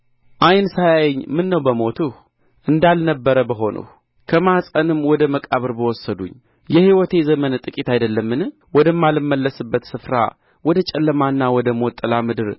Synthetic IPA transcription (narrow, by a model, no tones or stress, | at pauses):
ʔajnsajajɲːmɨnːəwbəmo̞t̪ʰuh | ʔɨnd̪alnəbːəɾəbəɦo̞nʔə̰h | kʰəmasʼənɨmwɔd̪əməkʼaβɨɾbəwɔsːəd̪uɲː | jɛhiwɔt̪ʰe̞zəmənt̪ʼɨkʼit̪ajd̪əlːəmːɨnɨ | wɔd̪əmːalɨmːəlːəsɨbːət̪sɨfɾa̰ | wɔd̪ət͡ʃʼɛlːəmanːawɔd̪əmot̪ʼːɨlamɨd̪ɨɾ